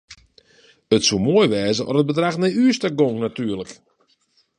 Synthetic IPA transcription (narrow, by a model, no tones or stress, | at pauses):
ətsumoəjʋɛːzəʔɔ̰rəd̚bədraxnɛyːstaɡoŋknatyːərlək